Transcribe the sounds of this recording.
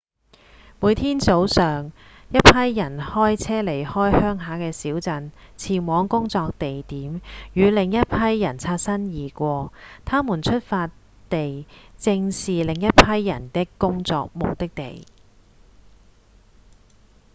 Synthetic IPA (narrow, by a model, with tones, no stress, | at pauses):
muː˨˧jt̪ʰiː˥nt͡so˨˥wsœː˨ŋ | jɐ˥t̚pʰɐ˥jːɐ˨˩nhɔː˥jt͡sʰɛː˥le˨˩jhɔː˥jhœː˥ŋɦaː˨˥kɛː˧siː˨˥wt͡sɐ˧n | t͡sʰiː˨˩nwɔː˨˧ŋkʊ˥ŋt͡sɔː˧k̚t̪e˨jt̪iː˨˥mjyː˨˧lɪ˨ŋjɐ˥t̚pʰɐ˥jːɐ˨˩nt͡sʰaː˧t̚sɐ˥njiː˨˩kʷɔː˧t̪ʰaː˥muː˨˩nt͡ʃʰɵ˥t̚faː˧t | t̪e˨jt͡sɪ˧ŋsiː˨lɪ˨ŋjɐ˥t̚pʰɐ˥jːɐ˨˩nt̪ɪ˥kkːʊ˥ŋt͡sɔ̰ː˧k̚mʊ˨k̚t̪ɪ˥k̚t̪ḛ˨j